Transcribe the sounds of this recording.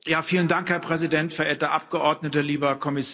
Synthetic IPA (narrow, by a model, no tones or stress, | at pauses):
jaːfiːləndaŋkhɛɐpʁ̥ɛzidɛntfɛɐʔeːɐtdeɐʔap̚ɡ̥əʔɔɐdnətəliːbɐkʰɔmɪs